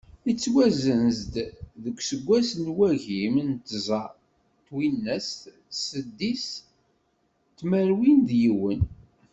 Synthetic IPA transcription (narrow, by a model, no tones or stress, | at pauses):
it͡sːwæzənzd̪ðəkʷːsəɡʷːæsənwæʝimnt̪zˤɑ | t̪winːæs | səd̪ːis | t̪ːmæɾwind̪jiwən